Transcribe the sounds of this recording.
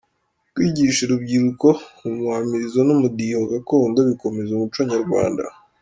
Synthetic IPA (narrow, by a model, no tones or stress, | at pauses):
kwiːɟiʃeɾubɟiɾuko̞umwamiɾizonumudijoɡakoːndoβiko̞me̞zumut͡ʃwaɲaɾɡwa̰ːnda̰